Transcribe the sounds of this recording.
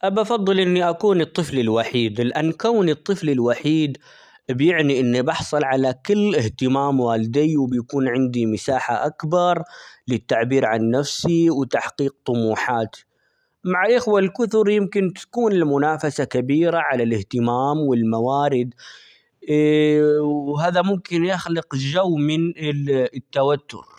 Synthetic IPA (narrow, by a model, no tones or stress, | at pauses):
ʔabɑfɑðˤːɨlʔɪnːiʔakuːnɨt̪ˤːɨflɪlwaħiːd̪ɪlʔanːkawnɨt̪ˤːɨflɪlwaħiːd̪ | bjɪʕniʔɪnːibɑħsˤɨlʕalakɪlːɪht̪ɪmaːmwaːlɪd̪ɪjwɪbjakuːnʕɪnd̪imɪsaːħaʔakbɑɾˤlɪt̪ːaʕbiːɾʕanːafsiwt̪aħqiːq̚t̪ˤʊmuːħaːt̪ | maʕalʔɪxwalkʊθʊɾjɪmkɪnt̪ḁkuːnɪlmʊnaːfasakabiːɾaʕalalɪht̪ɪmaːmwɪlmawaːɾɪd̪ | ɦaːðamʊmkɪnjaxlɪqd͡ʒawːmɪn | t̪ːawat̪ːʊ̰ɾ